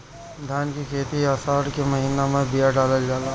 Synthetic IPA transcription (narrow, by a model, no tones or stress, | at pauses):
d̪ʱjaːnkikʰeːt̪iaːsaːɽkemɐɦiːnamẽbijaɖaːləld͡ʒaːla